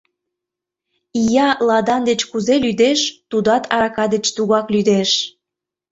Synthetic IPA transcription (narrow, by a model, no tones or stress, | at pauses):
ijɑlɑd̪ɑnd̪et͡ɕkuzelyd̪eʃt̪ud̪ɑt̪ʰɑɾɑkɑd̪et͡ɕt̪uɣɑklyd̪eʃ